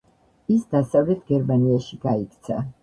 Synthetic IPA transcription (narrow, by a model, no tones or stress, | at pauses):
isd̪asavlɛt̪ʰɡɛɾmaniaʃiɡaikt̪sʰa